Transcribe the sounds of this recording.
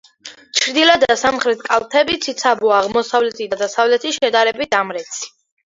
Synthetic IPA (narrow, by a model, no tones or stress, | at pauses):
t͡ʃʰɾd̪ilad̪asamχɾɛt̪ʰkʼalˠt̪ʰɛbit̪sʰit̪sʰabuaːʁmɔsavlɛt̪ʰid̪ad̪asavlɛt̪ʰiʃɛd̪aɾɛbit̪ʰamɾɛt̪sʰi̥